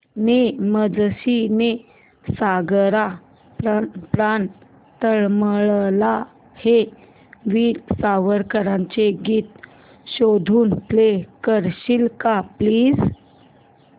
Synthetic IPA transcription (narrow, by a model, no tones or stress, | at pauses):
neməd͡zɕine | saɡɾa | ppɾan | t̪əɭməɭla | he | ʋiːlsaʋəɾkəɾãɲt͡ɕeɡiːt̪̚ | ɕod̪ʱuːnplekəɾɕilkapliːd͡z